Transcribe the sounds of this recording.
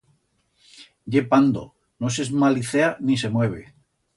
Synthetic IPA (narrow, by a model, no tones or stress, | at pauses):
ɟ͡ʝepand̪o̰ | no̞s̬ezmaliθeanise̞mwe̞β̞e